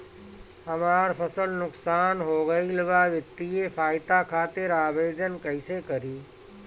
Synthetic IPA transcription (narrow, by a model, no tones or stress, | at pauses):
hɐmaːɾpʰəsəlnʊksaːnɦoːɡəiləbaːʋət̪ːiepʰaːɪt̪akʰaːt̪eɾaːʋeːd͡ʒ̪ənkɐɪsekəɾiː